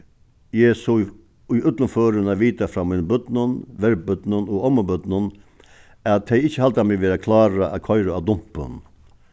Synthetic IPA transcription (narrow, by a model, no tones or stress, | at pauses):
jɛɪsoː | ʏʔʉt̪lənføːɾənaʋiːt̪afɾamɪːnəbʏd̪̥nənʋɛɾbʏd̪nənɔɔməbʏd̪nən | at̪ʰːɛɪɪçəhalt̪amɪʋeːɾakʰlɑːɾaʔa̰kʰɔʏɾəad̪ʊm̥pə̰n